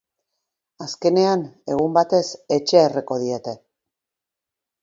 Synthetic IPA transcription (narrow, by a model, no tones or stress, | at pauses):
aske̞ne̞ane̞ɣ̞umbat̪e̞se̞t͡ʃe̞ereko̞ð̞ie̞t̪e̞